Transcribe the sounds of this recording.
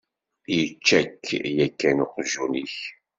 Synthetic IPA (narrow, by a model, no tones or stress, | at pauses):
jət͡ʃːækːjækːænʊqʒuniç